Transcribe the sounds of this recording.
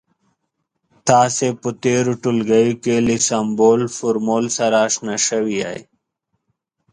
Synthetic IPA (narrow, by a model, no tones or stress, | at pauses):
t̪aːsepət̪eɾuʈulɡajukelisamboːlfuɾmolsaɾaːʂnaʃəwia̰j